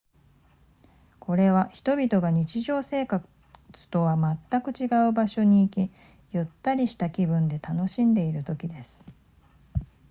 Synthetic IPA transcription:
kʰo̞ɾe̞βaçi̥t̪o̞bʲit̪o̞ɡaɲ̟it͡ɕiʑo̞ːse̞ːka | t͡sɨ̥t̪o̞βamat̪ːakɯ̟t͡ɕiɡaɯ̟baɕo̞ɲ̟iːkʲi | jɯt̪ːaɾʲiɕi̥t̪akʲibɯ̟̃nd̪e̞t̪ano̞ɕĩnd̪e̞iɾɯ̟t̪o̞kʲid̪e̞sɨ̥

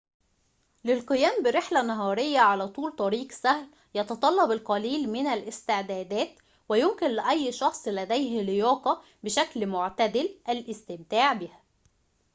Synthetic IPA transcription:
lɪlqɨjæːmbɪɾɪħlænɑɦɑːɾɪjːaʕalæːt̪ˤuːlt̪ˤɑɾiːqsæhl | jɑt̪ɑt̪ˤɑlːɑbɪlqɑliːlmɪnælʔɪst̪ɪʕd̪æːd̪æːt̪ | wæjʊmkɪnlɪʔæjːʃɑxsˤlæd̪æjɦlɪjɑːq̪ɑ | bɪʃæklmʊʕt̪æd̪ɪlʔælʔɪst̪ɪmt̪aːʕbɪhæ

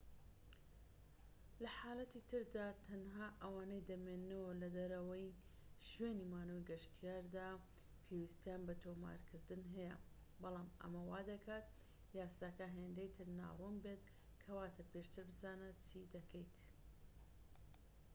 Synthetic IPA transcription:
lɐħaːlɐt̪it̪ʰɨɾd̪aːt̪ʰɐnɦaːʔɐwaːnɐjd̪ɐmenːɨwɐlɐd̪ɐɾɐwɐjʃweːniːmaːnojɡɐʃt̪ʰijaːɾd̪aː | pʰewist̪janbɐt̪ʰoːma̰ɾkʰɨɾd̪ɨnɦɐjɐ̰ | bɑlˠaːmɐ̰mɐwaːd̪ɐkʰaːt̪̚ | jaːsaːkɐɦeːnd̪ejt̪ʰɨɾna̰ːrunbeːt̪ | kʰɐwaːt̪ʰɐpeʃt̪ʰɨɾbɨzaːnɐtt͡sʰid̪ɐkʰejt̪

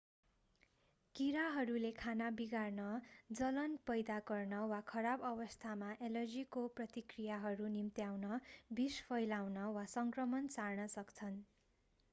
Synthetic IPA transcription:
kiɾaɦʌɾulekʰanabiɡarnʌd͡zʌlʌnpʌjd̪aɡʌrnʌwakʰʌɾabʌbʌst̪ʰamaʔelʌrd͡zikoprʌt̪ikrijaɦʌɾunimt̪jawnʌbispʰʌjlawnʌwasʌŋkrʌmʌnsarnʌsʌkt͡sʰʌn

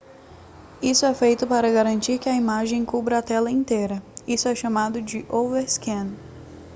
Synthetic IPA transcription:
isʊɛfejt̪ʊpaɾɐɡaɾɐ̃nt͡ʃiɾkɪɐimaʒẽj̃kubɾɐːt̪ɛlɐĩt̪ejɾɐisʊɛʃamad̪ʊd͡ʒɪʔoveɾskẽn

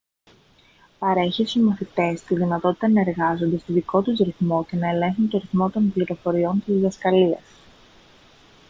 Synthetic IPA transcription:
pɐɾe̞çit̪uzmɐθit̪e̞st̪iðinɐt̪o̞t̪i̥t̪ɐnɐeɾɣɐzo̞nd̪est̪oðiko̞t̪uzɾiθmo̞ce̞nɐelẽ̞ŋxunt̪o̞ɾiθmo̞t̪o̞npliɾo̞fo̞ɾio̞nt̪izðɐskɐliɐ̰s

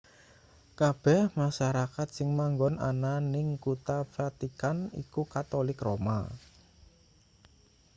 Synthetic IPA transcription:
kab̥ɛhmaʃaɾakat̪̚sɪŋmaŋɡɔna̰nanɪŋkut̪afat̪ikanḭkukat̪olɪkroma̰

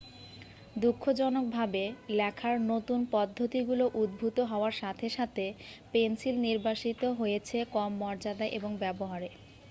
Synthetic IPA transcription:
d̪ukʰːod͡ʑɔnok̚bʱabelɛkʰaɾnot̪unpɔd̪ʱːot̪iɡuloʔud̪̚bʱut̪oɦɔoaɾʃat̪ʰeʃat̪ʰepensilniɾbaʃit̪oɦojet͡ɕʰekɔmːɔɾd͡ʑad̪aʔeboŋbɛboɦaɾe

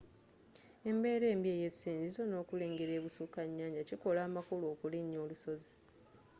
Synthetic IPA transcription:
e̞mbe̞ːɾe̞ːmbie̞ːje̞sːiːɲzizo̞no̞ːkule̞ːŋɡeɾe̞ːβusukaɲːaːɲɟaciko̞laːmakuloːkuliɲːo̞ːluso̞zi̥

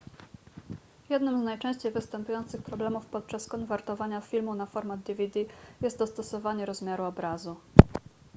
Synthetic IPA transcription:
jɛd̪nɘmznajt͡ʂɛ̃ɕt͡ɕejvɘst̪ɛmpujɔnt̪sɘxpɾɔblɛmufpɔt̪̚t͡ʂaskɔnvɛɾt̪ɔvaɲafʲilmunafɔɾmad̪̚d̪ivʲid̪ijɛst̪d̪ɔst̪ɔsɔvaɲɛɾɔzmʲjaɾuɔbɾazu

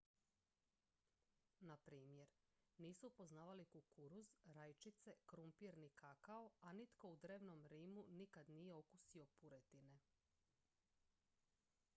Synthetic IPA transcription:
napɾiːmje̞ɾniːsupo̞znaːʋalikukuɾuzɾajt͡ʃit̪sekɾumpiɾnikakaoanit̪ko̞ud̪ɾe̞ːʋnomɾiːmunikad̪nije̞o̞kusio̞puɾet̪ine̞

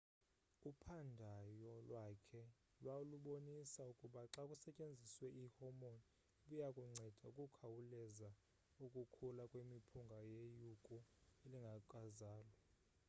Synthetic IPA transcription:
upʰandʱajɔlwakʰɛ | lwauluɓonisaukʼuɓaǁakʼusɛt͡ʃʼend͡zʱiswɛʔihɔmon | ɓujakʼuŋ͡ǀʱɛd̥ʱaukʼukʰawulɛza | ukʼukʰulakʼwemipʰuŋɡʱajejukʼɔeliŋɡʱaǃʼazaːlwa

